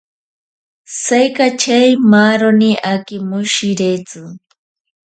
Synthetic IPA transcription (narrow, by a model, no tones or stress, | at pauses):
sajkat͡ʃʰejmaɾɔniʔakimuʃiɾet͡si